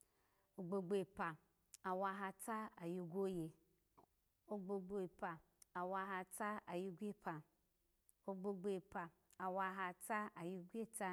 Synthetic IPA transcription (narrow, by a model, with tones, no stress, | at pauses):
o˧ɡ͡bo˧ɡ͡bo˨˧˨pa˨ | a˨wa˧ɦa˧ta˦a˨ju˧ɡo˦je˧ | o˧ɡ͡bo˧ɡ͡bo˧i˨pa˨ | a˨wa˧ɦa˧ta˦a˨ju˧ɡʷe˦pʰa˨ | o˧ɡ͡bo˧ɡ͡be˧˨pa˨ | a˨wa˧ɦa˧ta˦a˨ju˧ɡʷe˦˨ta˧